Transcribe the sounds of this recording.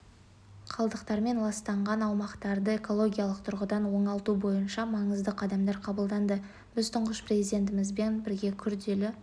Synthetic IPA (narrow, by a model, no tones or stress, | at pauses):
qʰɑlˠd̪əqt̪ɑɾme̞nlˠɑst̪ɑɴʁɑnɑwmɑqt̪ɑɾd̪əe̞ko̞lˠo̞ɡʲijɑlˠəq̚t̪ʰʊɾʁəd̪ɑnwo̞ɴɑlˠt̪ubo̞jənʃɑmɑɴəzd̪əqʰɑd̪ɑmd̪ɑɾqʰɑbəlˠd̪ɑnd̪ə | b̥ɪzt̪ʰʊɴʁəsprezijd̪ʲe̞nt̪ɪmɪzbe̞nbɪɾɡʲe̞kʲʰʏɾd̪e̞lɪ